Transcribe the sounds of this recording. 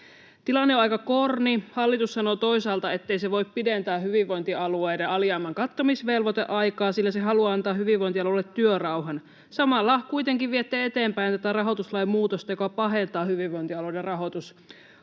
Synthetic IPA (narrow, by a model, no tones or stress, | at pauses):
t̪ilɑnːeoɑikɑkornihɑlːit̪usːɑnot̪o̞isɑːlt̪ɑet̪ːejseʋo̞ippident̪æːɦyʋiʋːo̞jnt̪iɑluejdeʔɑljɑːmːɑŋkɑt̪ːomisʋelʋot̪ḛʔɑjkɑːsilːæseɦɑluɑɑnt̪ɑːhyʋiʋːo̞jnt̪iɑlulːet̪ːyørɑuwɦɑn | sɑmɑlːɑkuit̪eŋkiʋʋiet̪ːeːet̪eːmpæjnt̪æt̪ærɑɦo̞t̪uslɑjmmuːt̪ost̪ɑjokɑpɑɦe̞nt̪ɑːhyʋiʋːojnt̪iɑloderɑɦo̞t̪us